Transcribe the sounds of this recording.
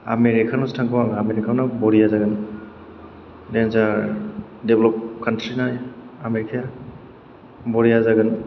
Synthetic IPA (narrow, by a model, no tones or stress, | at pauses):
a̰meɾikʰanustʰaŋkʰuwaŋaameɾikʰawnabɔɾijazaɡɯn | denza | deblɔp̚kantɾinajameɾikʰija | bɔɾijazaɡɯn